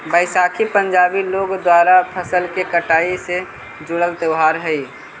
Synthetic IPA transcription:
bəɪsaːkʰipə̃ɲd͡ʒaːbiloːɡd̪waːɾapʰəsəlkekəʈaːise | d͡ʒʊɽəlt̪eʊɦaːɾɦɛi

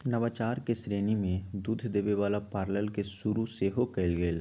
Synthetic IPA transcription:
nɐʋaːt͡ʃaːɾkesɾeːnimẽd̪uːd̪ʱd̪eːʋeʋaːlapaːɾləlkesʊɾuseɦokɛɪlɡeːl

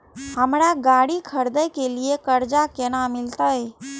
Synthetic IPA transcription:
ɦəmɾaɡaːɽikʰəɾd̪əjkeliekəɾd͡ʒakenamɪlt̪əe

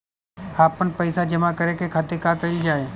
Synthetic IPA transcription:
aːpːənpɐɪsad͡ʒɐmakɐɾekekʰɐt̪ekakɐid͡ʒaːeː

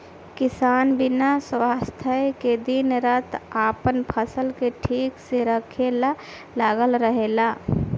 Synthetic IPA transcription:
kɪsaːnbɪnaswaːst̪ʰəeked̪ɪnɾət̪aːpənpʰəsəlkeʈʰiːkseɾəkʰela | laːɡəlɾəɦeːlaː

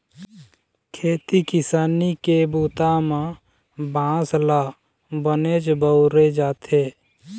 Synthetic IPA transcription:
kʰeːt̪ikɪsaːnikebuːt̪amã | bʱãːsla | bəned͡ʒbəʊɾed͡ʒaːt̪ʰeː

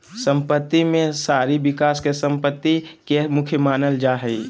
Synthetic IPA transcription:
sə̃mpət̪ːimẽsaːɾibɪkaːskesə̃mpət̪ːikemʊkʰjəmaːnəld͡ʒaːɦɛi

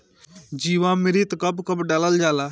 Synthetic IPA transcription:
d͡ʒiːʋãmɪɾit̪kəbkəpɖaːləld͡ʒaːla

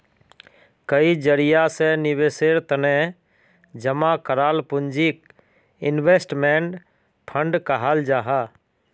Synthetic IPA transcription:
kəid͡ʒəɾijasenɪʋeseɾt̪ənẽ | d͡ʒəmakəɾaːlpʊnd͡ʒik | ɪnʋesʈmeɳʈ | pʰə̃ɳɖkəɦald͡ʒaːɦa

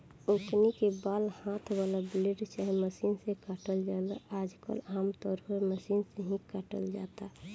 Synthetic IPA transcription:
oknikebaːlhãt̪ʰbalabliɖt͡ʃaɦməsiːnsẽkəʈəld͡ʒaːlaaːd͡ʒkə̰laːmt̪ɔːɾpəɾməsiːnsẽɦĩkəʈə̰ld͡ʒa̰ːt̪a

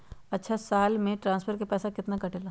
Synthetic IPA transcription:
ɐtːʃʰasaːlmẽʈɾãːnspʰəɾkepɛːsakɪt̪nakɐʈeːlaː

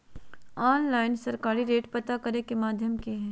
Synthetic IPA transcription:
aːnlaːɪnsɐɾkaːɾiɾeːʈpɐt̪akɐɾekemaːd̪ʱjəmkeɦɛː

